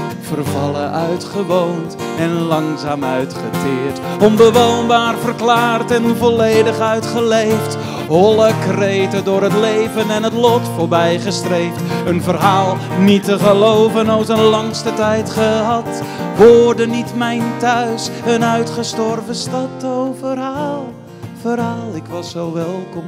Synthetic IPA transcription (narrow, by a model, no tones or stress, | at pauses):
v̥ərvɑləʔœɥtχəʋownt | ɛnlɑŋzaːmœɥtχətɪːɹtɔnbəʋownbaːrvərklaːrtɛnvɔlejdəχœɥtχəlejft | ɦɔləkrejtədʊːɹɦətlejvənɛnətlɔtfʊːɹbɛjχəstrejftənvərɦaːlˠ | nitəχəlowvənɑlˠsənlɑŋstətɛjtχəɦɑt | ʋɔːrdənitmɛjntœɥsənœɥtχəstɔrvəstɑtowvəralˠ | v̥oːɾɑlˠɪkʋɑsːowʋɛlˠkɔm